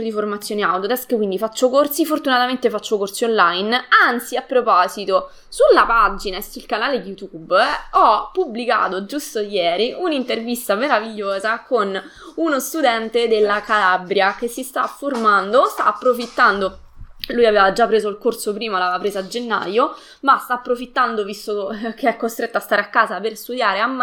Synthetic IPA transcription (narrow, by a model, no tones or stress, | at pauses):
od̪iformat̪sːjoːneawd̪jot̪ɛskkwind̪ifat͡ʃːokort̪sifort̪unat̪ament̪efat͡ʃːokorsionlajnant̪siapːɾopɔːzit̪o | sulːapad͡ʒinaesulkanaːled̪ijut̪ubɔpːublika̰ːt̪od͡ʒust̪ojɛːɾiʔunint̪ervist̪ameɾaviʎːoːzakon | unost̪ud̪ɛnt̪ed̪elːakalabɾjakesːist̪afːormand̪ost̪a̰ːpːɾofit̪ːand̪olujaveːvad͡ʒapːɾeːzoilkorsopɾiːmalavapɾeːzaːd͡ʒenːa̰jo | mast̪aːpːɾofit̪ːand̪ovist̪okeɛkːost̪ɾet̪ːoast̪aːɾeakːaːzaperst̪ud̪jaːɾeamː